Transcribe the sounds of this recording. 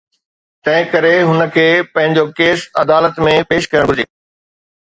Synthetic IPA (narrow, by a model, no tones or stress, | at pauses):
t̪ɐ̃ɦɪ̃kɐɾeɦʊnə̆kʰeːpɐ̃ɦɪ̃ɲ̆d͡ʑokeːsɐd̪aːlət̪mẽpeːʃkɐjəɽ̃ʱʊd͡ʑeː